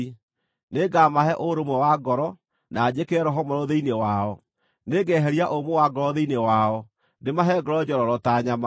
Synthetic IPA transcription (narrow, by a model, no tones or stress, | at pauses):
neɡamaɦɛʔoɾomwɛwaɡɔɾɔ | naːd͡ʑekɛɾɔɦɔmɔɾɔðeinewaɔ | neɡɛɦɛɾiaʔomowaɡɔɾɔðeinewaɔ | ndemaɦɛɡɔɾɔd͡ʑɔɾɔɾɔtaːɲama